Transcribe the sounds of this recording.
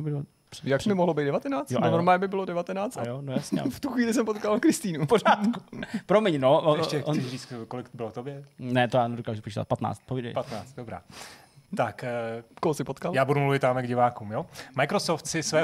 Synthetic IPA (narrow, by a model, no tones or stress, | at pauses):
b | jakmɪmoɦlobejt̪dɛvat̪ɛnaːt͡sjoooɾmaːjɛbɪbɪlodɛvat̪ɛnaːt͡st̪ajonojasɲɛ̰ft̪uxʋiːlɪs̬ɛmpot̪kalkɾɪst̪iːnupoɾaːt̪kupɾomɛɲnooɛʃcɛɛriːt͡st̪kolɪkt̪bɪlot̪objɛnɛt̪ojaːnɛdokaːʒupot͡ʃiːt̪a̰t̪pat̪na̰ːt͡st̪̚povidɛ̰jpat̪naːt͡st̪̚dobɾa̰ː | t̪akkoɦosɪpot̪kaljaːbudumluvɪt̪ːamjaɡɟɪvaːkuːmjomajkɾosoft̪sɪsvɛː